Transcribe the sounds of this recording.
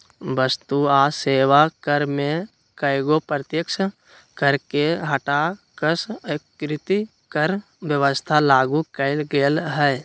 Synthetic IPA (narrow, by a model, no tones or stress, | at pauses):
ʋəst̪uaːseːʋakəɾmẽ | kəɪɡopɾət̪jəkʃə | kəɾkeɦəʈakəskɾɪt̪i | kəɾ | ʋjəʋəst̪ʰalaːɡukəɪlɡeːlɦɛj